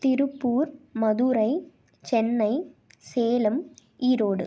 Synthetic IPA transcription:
t̪ɪɾɯpːuːɾmɐðuːɾɐɪ | t͡ʃɛnːɐɪ | seːlɯmiːɾoːɽɯ̰

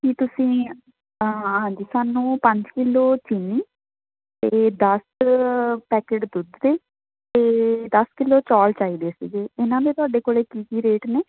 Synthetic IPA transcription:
kit̪ʊsĩː | ɦãːɲd͡ʒiːsaːnũːpə̃ɲd͡ʒkɪlːoːt͡ʃɪniː | t̪eːd̪əs | pɛːkeːʈd̪ʊd̪d̪eː | t̪eːd̪əskɪlːoːt͡ʃɔːlt͡ʃaːiːd̪eːsḭɡeːɪnãːd̪eːt̪ʊaːɖeːkoːleːkiːkiːɾeːʈneː

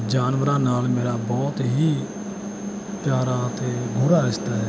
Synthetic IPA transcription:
d͡ʒaːnʋəɾãːnaːlmeːɾabɔːt̪ɦi | pjaːɾat̪eːɡʱʊɾaɪst̪aɦɛː

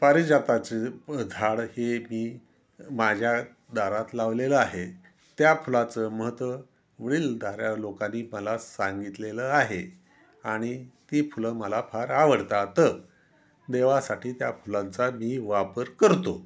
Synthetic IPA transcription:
paɾid͡ʑat̪at͡sed̪ʱaɽhemiː | mad͡ʑʱja | d̪aɾat̪laʋleləaɦe | t̪japʰulat͡səːməɦət̪ʋə | ʋəɭiːld̪ʱaɾjalokanːiːməlasãŋɡit̪leləaɦe | aɽ̃it̪ifuləməlafʰaɾaʋəɽt̪at̪əɾ | d̪eʋasaʈiːt̪jafʰulãnt͡samiːʋapəɾkəɾt̪o

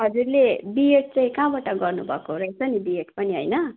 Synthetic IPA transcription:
ɦʌd͡zurlebieʈ̚t͡sãĩkãbaʈaɡʌrnubʱʌkoɾʌet͡sʰʌnibieʈpʌniɦʌjnʌ

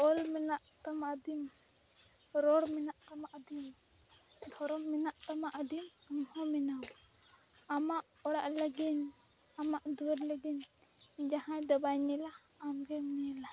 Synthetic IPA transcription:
ɔlmɛnaʔt̪amaʔd̪im | ɾɔɽmɛnaʔt̪amaʔd̪im | d̪ʱɔɾɔmmɛnaʔt̪amaʔd̪imɔmhɔ̃mɛnaw | amaʔ | ɔɽaʔləɡin | amaʔd̪uwɛɾləɡiɲd͡ʒaɦãd̪ɔbajɲɛlaː | mɡɛmnɛɛla

